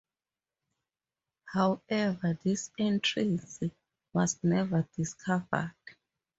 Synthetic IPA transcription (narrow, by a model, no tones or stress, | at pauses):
hawɛvaðisɛ̃ntʰɹĩsi | wɔznɛvəd̥iskʰavə̰d̥